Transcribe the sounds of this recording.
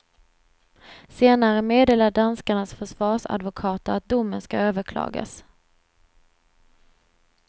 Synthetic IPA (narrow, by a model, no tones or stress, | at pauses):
seːnaɾəmeːd̪eːlaɖanskaɳasfœʂvɑːʂa̰d̪vʊkʰɑːt̪əɾat̪̚d̪ʊmːənskaøːvəɾkʰlɑ̰ːɡa̰s